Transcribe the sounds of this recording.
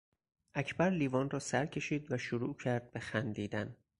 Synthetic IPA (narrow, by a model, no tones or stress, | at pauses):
ʔæcʰbæɾliːvɒːnrɒːsæɾcʰe̞ʃiːd̪væʃoɾuːcʰæɾd̪̚be̞xænd̪iːd̪æn